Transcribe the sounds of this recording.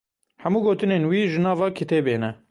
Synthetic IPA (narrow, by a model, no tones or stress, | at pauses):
hɛmuːɡoːt̪ɨneːnwiːʒɨnɑːvɑːkʰit̪ʰeːbeːnɛ